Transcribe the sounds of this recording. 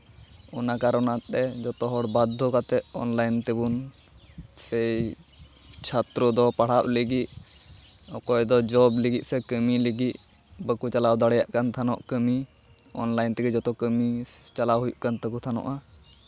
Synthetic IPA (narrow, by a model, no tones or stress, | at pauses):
ɔnakaɾɔnat̪ɛd͡ʒɔt̪ɔɦɔɽbad̪ʱːɔkat̪ɛʔɔ̰nlajnt̪ɛbun | sɛj | t͡ʃʰat̪ɾɔd̪ɔpaɽ̤aʔliɡit̚ | ɔkɔjd̪ɔd͡ʒɔbliɡit̪̚ˀsɛkəmiliɡit̪ | bəkut͡ʃalawd̪aɽɛjaʔkant̪ʰanɔ̰ʔkəmi | ɔnlajnt̪ɛkɛd͡ʒɔt̪ɔkəmit͡ʃalawɦujuʔkant̪əkut̪ʰanɔ̰ʔa